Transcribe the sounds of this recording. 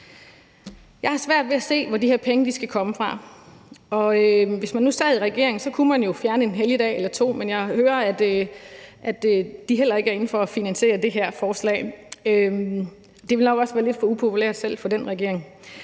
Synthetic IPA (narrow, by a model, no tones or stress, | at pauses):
jɑ̈ɪhɑ̈sʋæɐ̰d̥ʋe̝æse̝̰ːʋɒdiheɐ̰pʰeŋəd̥isɡ̥ækʰɒ̽məfʁɑ̈ | ɒ̽øʋe̝smænːusɛ̰ːðˠiʁɛɡ̥e̝ɐeŋ̩sɒ̽kʰumænjo̝fjæɐnəe̝nɦeljəd̥ɛ̰ːelɐt͡sʰo̝̰ːmenjɑ̈ɪhøːɐæd̥ | ʔæd̥d̥iɦel̰ɐe̝ɡ̥æɐe̝n̩fɒ̽æfinænse̝̰ːɐd̥e̝ɦæɐ̰fɒːslɛ̰ːøm | d̥e̝ʋe̝lnɒ̽ɡ̥ɒ̽sʋæːɐle̝d̥fɒ̽upʰo̝pʰuleɐ̰d̥sel̰fɒ̽d̥enʁɛɡ̥e̝ɐ̰e̝ŋ